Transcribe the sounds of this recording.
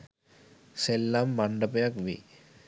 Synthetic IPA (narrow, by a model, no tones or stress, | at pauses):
selːamːaɳɖəpejakʋḭ